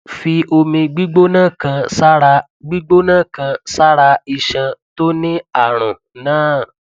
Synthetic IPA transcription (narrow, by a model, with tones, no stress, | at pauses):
fi˧o˧mĩ˧ɡ͡bi˦ɡ͡bo˦nã˦˨kã˧sa˦ɾa˧ | ɡ͡bi˦ɡ͡bo˦nã˦˨kã˧sa˦ɾa˧i˧˨ʃã˧to˦nĩ˦a˦˨ɾ̃ɔ̃˨ | nãː˦˨